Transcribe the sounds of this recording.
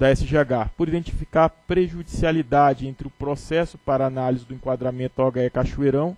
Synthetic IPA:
d̪ɐɛsɪʒeɡapʊɾid̪ẽnt͡ʃi̥fikaɾpɾeʒud͡ʒisialid̪ad͡ʒɪẽnt̪ɾɪʊpɾosɛsʊpaɾɐanalizɪd̪ʊẽŋkwad̪ɾamẽnt̪ʊɔɡaɛkaʃueɾɐ̃w̃

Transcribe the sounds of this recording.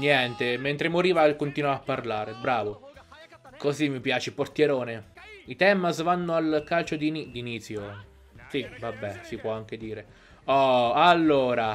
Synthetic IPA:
njɛnt̪ement̪ɾemoɾiːvakont̪inwavapːarlaːɾebɾaːvo | kozimːipjaːt͡ʃeport̪jɛɾoːneit̪ɛmasvanːʊalkalt͡ʃod̪inid̪init̪sjo | sivabːɛsipwɔaŋk̟ed̪iːɾe | ɔalːoːɾa

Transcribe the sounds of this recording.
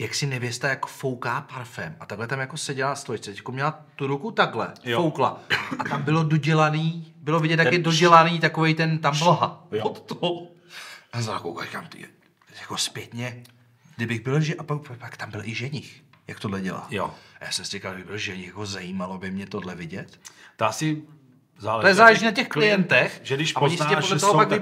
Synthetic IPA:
jaksɪnɛvjɛst̪ajakfo̞wkaːpaɾfɛmʔat̪aɡlɛt̪amjakosɛɟɛlast̪lojɪt͡sɛt̪ɛcjakomɲɛlat̪uɾukut̪aɡlɛowkla̰at̪ambɪlodoɟɛlaniːbɪlovɪɟɛt̪jakjɛdoɟɛlaniːt̪akovejt̪ɛnt̪amblɦajot̪o | azaakowka̰ka̰mt̪ḭ | jakospjɛt̪ɲɛ | dɪbɪɣbɪlʒɛʔapakppakt̪ambɪlʔɪʒɛɲɪxjak̚t̪odlɛɟɛla̰ːjo̰aja̰ːsɛmsɛkabɪɣbɪlʒɛɲɪxjakozajiːmalobɪmɲɛt̪odlɛvɪɟɛt̪ | t̪oasɪ | zaːlɛojɛzaːlɛʒiːnacɛxklɪjɛnt̪ɛxʒɛdɪʃpajɪaɛodlɛt̪oɦopaɡɪ

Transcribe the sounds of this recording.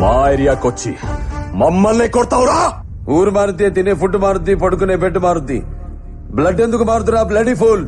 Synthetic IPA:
maːiɾijaːkot͡ʃːḭmɐmːɐlːekoɽt̪aːʋuɾaː | uːɾmaːɾut̪̬ːiet̪inepuʈːumaːɾut̪̬ːipɐɽuk̬unebeʈːmaːɾut̪ːḭ | blɐɖːend̪ukumaːɾut̪̬uɾaːblɐɖipʰuːl

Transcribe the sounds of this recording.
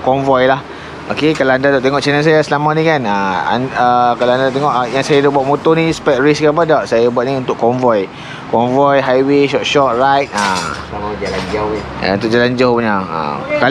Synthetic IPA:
kɔɱvɔjlah | o̰kekalaandadaʔt̪eŋɔʔt͡ʃɛnans̬ajasəlamanĩkanaa̰nəkalaandadt̪̬eŋɔʔjaŋsajadabuaʔ̚mot̪onĩsə̥pɛt̚ɹiskap̬adaʔsajabuat̪̚niunt̪ʊʔkɔɱvɔj | kɔnvɔjɦajweʃɔʔʃɔʔ̚rajt̪̚aslamad͡ʒaland͡ʒawḭ | unt̪ʊk̚d͡ʒalaɲd͡ʒawɲaa̰ka

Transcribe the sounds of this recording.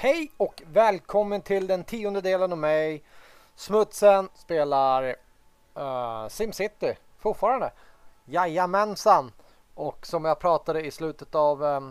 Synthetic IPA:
hɛjɔkvɛːlkʰɔmːənt̪ʰɪld̪ɛnt̪ʰiːɔnd̪əd̪eːlənɑvmɛj | smɵt̪sənspeːlaɾ | sɪmsɪt̪ːɪ | fʊʈfɑːɾand̪əjajːamɛnsan | ɔksɔmjapʰɾɑːt̪ad̪əɪslʉ̟ːt̪ət̪av

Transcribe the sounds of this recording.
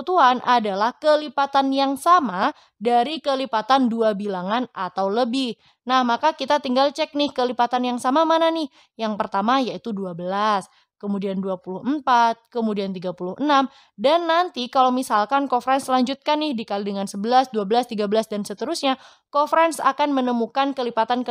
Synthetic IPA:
t̪uanʔadalahkəlipat̪anjaŋsama | daɾikəlipat̪anduabilaŋanʔat̪awləbɪh | nahmakakit̪at̪iŋɡalt͡ʃɛk̚nɪhkəlipat̪anjaŋsamamananɪh | jaŋpərt̪amajait̪uduabəlas | kəmudianduapulʊhəm̩pat̪̚kəmudiant̪iɡapulʊhʔənam | danːant̪ikalowmisalkankofɾɛnslaɲd͡ʒut̪̚kanːɪhdikalidəŋansəbəlasduabəlast̪iɡabəlasdansət̪əɾusɲa | kofɾɛnsa̰kanmənəmukankəlipat̪ankə

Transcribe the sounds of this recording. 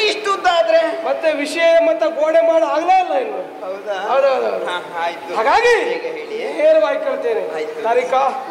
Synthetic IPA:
iʂʈund̪aːd̪ɾemɐt̪ːeʋiʂɐjɐɐmɐt̪ːɐɡoːɽemaːɽuaːɡlɐilːɐinu | ɐwd̪ɦɐwd̪uɦɐd̪uɦɐwd̪ut̪haːɡaːɡiɦeɭiɦeːlʋaːɡikːɐɭt̪eːɾejt̪t̪aːɾika

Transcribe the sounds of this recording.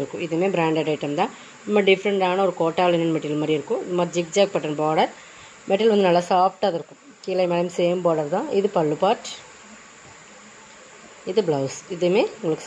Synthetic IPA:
ɾɯkːʊ̰̃ʔɪðɐmeːbɾaːɳɖɐɖɐɪʈːɐmt̪ãː | nɐmbɐɖɪfɾɐɳɖaːnɐɔɾɯkoːʈːaːlɪnɐnmɛʈːɪlmaːɾiɪɾɯkːʊ̃ɪðɯmaːd̪ɾid͡ʒɪk̚d͡ʒaːk̚pɐʈːɐnbaːɽɐɾ | mɛʈːɪlʋɐnd̪ɯnɐlːɐsaːpʈaðɐɾɯkːʊ̃ | kiːlɐmeːlɐmseːmbaːɽɐɾt̪ãːʔɪðɯpɐɭːɯpaːʈ | ɪðɯblɐʋsɪðɐmeːʊŋɡɐɭɯkːɯ̥

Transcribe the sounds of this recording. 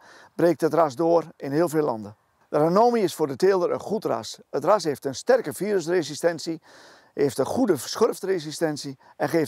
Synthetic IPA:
breːk̚tətras̬doərɪnheːlˠfeːlɑ̰ndə | dəranoːmiɪsfoːrdəteːlˠdəɾə̰nχutra̰sətrasheːftənstɛrkəfiːɾəsresistɛnsi | heːftəχudəsxørftresistɛnsi | ʔɛnxeːf

